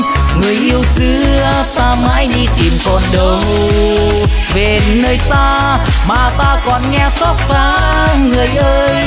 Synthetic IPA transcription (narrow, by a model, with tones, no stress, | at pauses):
ŋɨ˨˩əjʔi˧əwsɨ˧˦ə | saː˧maː˧˥jɗi˧t̪i˨˩mkɔ˨˩nɗə˨˩w | ve˨˩nəː˧jsaː˧ | maː˨˩t̪aː˧kɔ˨˩nŋɛ˧sɔ˦˥t̚saː˧˦˥ | ŋɨ˨˩əjʔəː˧j